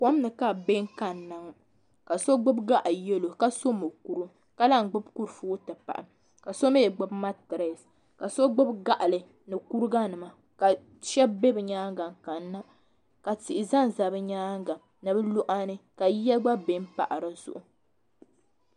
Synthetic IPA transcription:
pɔ˦m˦nɨ˨ka˦be˦ŋ̩˦ka˨nːa˨ŋ˦ | ka˨so˦ɡ͡bʊ˦bɡa˦ʔa˨jɛ˦lo˨ka˦so˦mɨ˨ku˨ɾu˦ | ka˦la˦ŋ̩˨ɡ͡bʊ˦bku˦ɾfu˦tɨ˨pa̰˨ʔa̰˨m | ka˨so˦me˦˨ɡ͡bʊ˦bma˦tɨ˨ɾa˨s | ka˨so˦ɡ͡bʊ˦bɡa˦ʔa˨lɨ˨ | nɨ˨ku˦ɾɨ˦ɡa˦nɨ˨ma˨ | ka˨ | ʃɛ˦be˦bɨ˨ɲaː˦ŋɡa˨ŋ˨ka˨nːa˦ | ka˨ti˨ʔɪ˨za˦n˨za˨bɨ˦ɲaː˦ŋɡa˨ | nɨ˨bɨ˦lu˦ʔa˦nɨ˦ka˨jɛ˦lɡ͡ba˦be˦m˦pa̰˨ʔa˨ɾa˨z̥ʊ̰˨ʔʊ˨

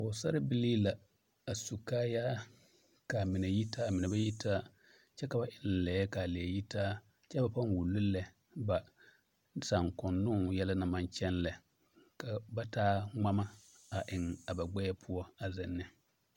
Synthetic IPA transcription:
ʊ˨sa˦ɾɪ˦bɪ˦liː˦la˨ | a˨su˨kaː˦jaː˦ | ka˨mɪ˨nɛ˨ji˦taː˦˨mɪ˨nɛ˨ba˦ji˦tʰa˦ | t͡ʃɛ˦ka˨ba˨ʔɪ˦n˨lɛ˨˦ɛ˦ka˨lɛ˨ji˦taː˦ | t͡ʃɛ˦ba˨pa˦nwu˨lʊ˦lɛ˨ | ba˨ | sa˨ŋkʊ˨nːʊ˦ŋ˨jɛ˦la˦na˨ma˦nt͡ʃɛ˦nlɛ˨ | ka˨ba˦taː˦ŋ͡ma˦ma˦ | a˨ʔɪ˨ŋa˨ba˨ɡ͡bɛ˦ɛ˦pʰʊ˦ɔ˦a˨zɛ˨nːɪ˨

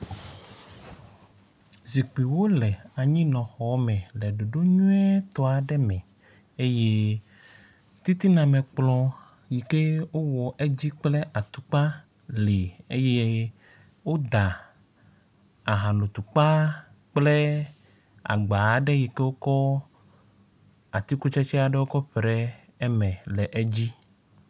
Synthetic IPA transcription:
zi˨k͡pi˨wo˦lɛ˨a˨ɲĩ˦nɔ̃˨xɔ˨˦mɛ̃˨lɛ˨ɖo˨ɖo˦ɲũ˦ɛ˦t̪ɔ˨˦a˨ɖɛ˦mɛ̃˨ | e˦je˦ | t̪i˦t̪i˦nã˨mẽ˨k͡plɔ̃˨ | ji˨ke˦wo˦wɔ˨ʔe˦d͡ʑi˦k͡ple˦ʔa˨t̪u˨k͡pa˦ | le˨e˦je˦ | wo˦d̪a˨ | a˨ɦã˨lo˨t̪u˨k͡pa˦ | k͡ple˦ | a̰˨ɡ͡ba˨ɖe˦ji˨ke˦wo˦kɔ˦ | a˨t̪i˦ku˦t͡ʃe˦t͡ʃɛ˦a˨ɖe˦wo˦kɔ˦ɸɾɛ˦ | ɛ˦mɛ̃˨lɛ˨ʔe˦d͡ʑi˦

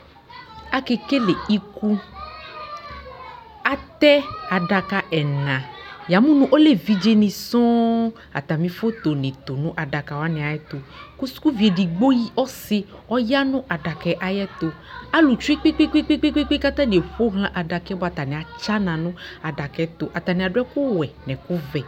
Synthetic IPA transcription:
a˦ke˨ke˦le˨i˦ku˦ | a˦t̪ɛ˦a˨ɖa˨ka˦ʔɛ˨nã˨ja˨mũ˦nũ˦ʔo˦le˦vi˨d͡ʒe˦nĩ˨sɔ̃˦ | a̰˨t̪a˨mĩ˨fo˦t̪o˨nẽ˨t̪o˨nũ˦ʔa˨ɖa˨ka˨wa˦nɛ̃˨a˨jɛ˦t̪o˨ku˦su̥˦ku˦vi˨e˨ɖi˨ɡ͡bo˦ji˦ɔ˦si˦ | ɔ˦ja˦nũ˦ʔa˨ɖa˨kɛ˨ʔa˨jɛ˦t̪o˨ | a˦lu˨t͡ʃu˦i˦k͡pi˦k͡pi˦k͡pi˦k͡pi˦k͡pi˦k͡pi˦k͡pi˦ka˦t̪ã˦ne˨ɸo˦ɦlã˦ʔa˨ɖa˨kɛ˦bɔ˦a˨t̪a˨nɛ̃˨a˨t͡ʃa˦nã˨nũ˦a˨ɖa˨kɛ˨t̪o˨ʔa˨t̪a˨nɛ̃˨a˨ɖo˦ɛ˦ku˦wɛ˨nɛ̃˨ku˦vɛ˨

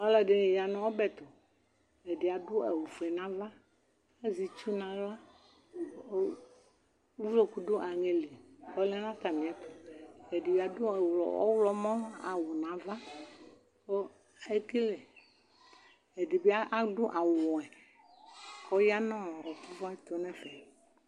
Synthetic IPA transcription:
ɔ˦lɛ˨ɖe˦˨ja˨nɔ̃˨o˦bɛ˨t̪o˨ | e˨di˨a˨dʊ˦a˨wu˨fɛ˨nã˨˦va˦ | e˦zi˨t͡ʃu˦nã˨la˦ | vlo˦ku˨do˦ʔa˨ŋe˨le˨kɔ˦lɛ˦nã˦t̪a˨mĩ˨a˨t̪o˨e˨di˨bi˨a˨dʊ˦˨wɔ̰˨ɔ̰˦wlɔ˦mɔ̃˦a̰˨wo˨nã˨va˦ | ko˦ | e˦ki˦le˨ | e˨di˨bi˦a˦ʔa˦ɖʊ˦ʔa˨wɔ˨ɛ˨ | kɔ˦ja˦nɔ̃˦˨ɔ˨ku˦vɔ˦ɛ˦t̪o˨nɛ̃˦fɛ˨

